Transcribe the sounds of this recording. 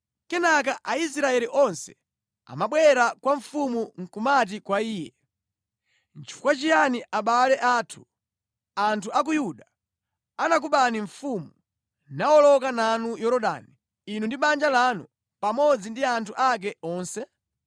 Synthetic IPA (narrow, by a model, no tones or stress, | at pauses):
kɛnak̬aʔais̬ɾaɛliʔɔnsɛ̥ | a̰maɓwɛɾakwaɱfumuŋ̩kumat̬ikwaiːjɛ | nt͡ʃi̥fu̥kwat͡ʃijaniʔaɓalɛʔaːtʰu̥ | antʰuak̬ujuɗa | anak̬uɓaniɱfumu | nawɔlɔkananujɔɾɔɗa̰ni | inundiɓand͡ʒalanu | pamɔd͡zindiantʰuʔak̬ɛɔːnsɛ